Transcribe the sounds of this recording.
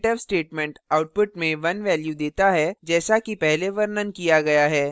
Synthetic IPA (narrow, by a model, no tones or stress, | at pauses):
ʈəbsʈeːʈmɛ̃ɳʈaːʊʈ̚pʊʈmẽʋɐnʋɛːljud̪eːt̪aɦɛd͡ʒɛːsakipɛɦleʋɐɾnənkijaɡɐjaɦɛː